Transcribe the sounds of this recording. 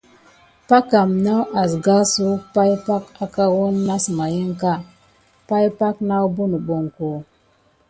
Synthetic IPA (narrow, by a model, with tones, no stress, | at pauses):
pa˦ka˨mna˦wʔa˨sɡa˦su˦pa˦jpa˦ka˦ka˦wo˦nːa˦sma˨ji˦ŋ˦ka˦ | pa˦jpa˦kna˦wbu˦nu˨ɓo˨ŋ˨ko˨